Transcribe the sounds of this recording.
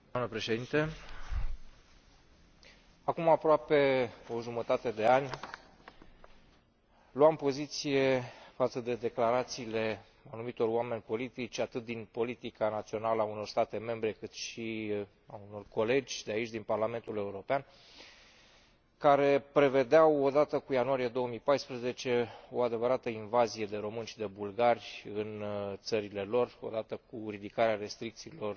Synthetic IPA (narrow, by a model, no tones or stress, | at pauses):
d̪amnəpɾe̞ʃe̞d̪int̪e | akumapɾoape̞o̞ʒumət̪at̪e̞d̪e̞anʲ | luampo̞zit̪sije̞fat̪səd̪e̞d̪e̞klaɾat̪siːle̞ | anumit̪o̞roame̞nʲpo̞lit̪it͡ʃʲat̪ɨt̪̚d̪inpo̞lit̪ikanat̪sio̞naləauno̞rst̪at̪e̞me̞mbɾe̞kɨt̪ʃi | auno̞rko̞le̞d͡ʒʲd̪eait͡ʃʲd̪inparlame̞nt̪ule̞uɾo̞pean | kaɾe̞pɾe̞ve̞d̪eawo̞d̪at̪əkujanuaɾije̞d̪o̞wəmijpajspɾəze̞t͡ʃe̞o̞ad̪e̞vəɾat̪əinvazije̞d̪e̞ɾo̞mɨnʃid̪e̞bulɡarʲɨnt̪səɾile̞lo̞ro̞̰d̪at̪əkuɾid̪ikaɾeaɾe̞st̪ɾik̚t̪siːlo̞r